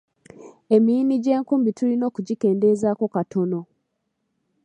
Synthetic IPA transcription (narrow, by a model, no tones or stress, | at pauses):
e̞miːniɟe̞ːŋkuːmbitulino̞ːkuɟike̞ːnde̞zaːko̞katʰo̞no̞